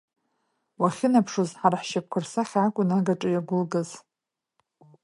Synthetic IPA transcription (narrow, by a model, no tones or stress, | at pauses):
waχʲɪnapʰʂozħaraħʃap̚kʷʰarsaχʲakʷʼʊnaɡaʈ͡ʂʼɨjaɡʷʊlɡaz